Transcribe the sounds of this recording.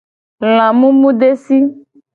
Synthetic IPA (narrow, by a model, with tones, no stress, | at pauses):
l̃ã˨mũ˦mũ˦ɖe˦si˦